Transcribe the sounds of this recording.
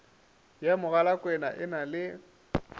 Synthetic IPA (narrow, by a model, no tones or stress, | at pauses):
jamʊɣalakʼwɛnaʔɪnalɪ